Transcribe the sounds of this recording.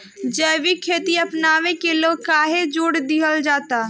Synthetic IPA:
d͡ʒəʋikʰːeːt̪iɐpnaːʋẽkeloːɡ̚kaːɦed͡ʒuːɽd̪iɦəld͡ʒaːt̪aː

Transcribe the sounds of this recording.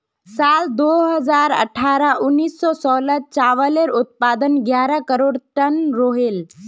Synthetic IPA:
saːld̪oɦəzaːɾə̰ʈʰaːɾaʔʊnːiːsːɔsɔːlət̚t͡ʃaʋəleɾʊt̪̚paːd̪ənɡjaːɾakəɾoːɽʈənɾoɦel

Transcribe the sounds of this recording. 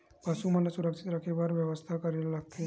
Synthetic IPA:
pəsumənasuɾəksʰi̥t̪ɾəkʰebaɾʋjəʋəst̪ʰakəɾellaɡ̚t̪ʰe

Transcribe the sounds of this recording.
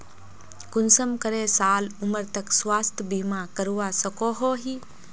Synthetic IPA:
kʊnsəmkəɾeːsaːlʊməɾt̪əkswaːst̪ʰbiːmãːkəɾuʋaːsəkoːɦoːɦiː

